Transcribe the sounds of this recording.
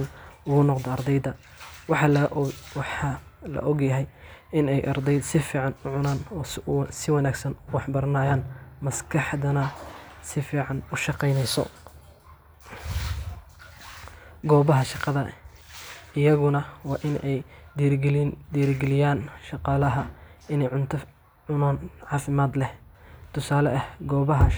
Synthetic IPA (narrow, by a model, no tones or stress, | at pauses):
nʊɣʊnɔqd̪ɐɑrd̪ɛjd̪ɐ | wɑħɑwħɑlɐ̰ʔɔɡjɐɦɛjɪnɛjʔɑrd̪ɛjd̪sɪfiːʕɑnʊʕʊnaːnɔːsɪwɑnaːɡsɐnʊwɑħbɐɾɐnaːjaːnmɐskʰɑħd̪ɐnɐsɪfiːʕɑnʊʃɑqɛjnɛjsɔ̰ | ɡɔːβɐɦɐʃɑqɑðɐ | ɪjɐɣʊnɐwɑːʔɪnɛj̪ | d̪iːɾɡɛlɪjaːnʃɑqɑːlɐɦɐɪnɛjʕʊnt̪ʰɐ | ʕʊnaːnʕɑːfɪmaːd̪lɛht̪ʰʊsaːlɐʔɐhɡɔːβɐɦɐ